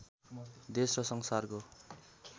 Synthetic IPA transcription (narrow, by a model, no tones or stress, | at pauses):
d̪esrʌsʌŋsarko